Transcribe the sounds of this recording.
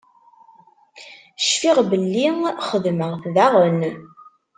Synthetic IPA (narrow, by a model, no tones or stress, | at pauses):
ʃfiʁbəlːiχəðməʁθðæʁən